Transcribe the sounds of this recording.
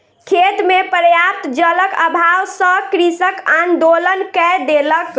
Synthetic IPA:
kʰet̪mepəɾjaɾt̪d͡ʒələkəbʱawsə̃kɾisəkand̪olənkɛd̪elək

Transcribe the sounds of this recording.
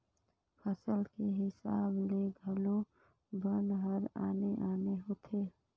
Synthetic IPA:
pʰəsəlkeɦɪsaːbleːɡʱəlõ | bənɦəɾa̰ːneʔaːneɦoːt̪ʰeː

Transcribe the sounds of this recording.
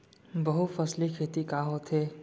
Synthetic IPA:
bɐɦufɐslikʰeːt̪ikaːɦot̪ʰɦeː

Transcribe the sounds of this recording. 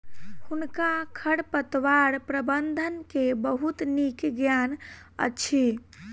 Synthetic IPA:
hunkakʰəɽpət̪ʋaɾpɾəbənd̪ʱənkebəɦut̪nikɡjan | ə̰t͡ʃʰi

